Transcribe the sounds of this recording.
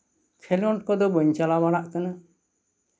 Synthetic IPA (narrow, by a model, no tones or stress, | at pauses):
kʰɛlɔɳʈkɔd̪ɔbəɲt͡ʃalabaɽ̃aʔkana